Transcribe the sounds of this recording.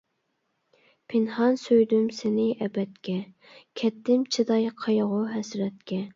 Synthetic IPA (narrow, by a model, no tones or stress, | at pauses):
pʰɪnhɑnsøjd̪ymsɪnɪʔɛbɛt̪kʲʰɛ | kʲʰɛt̪ːɪmt͡ʃʰid̪ɑjqʰɑjʁʊɦɛsɾɛt̪̚kʲʰɛ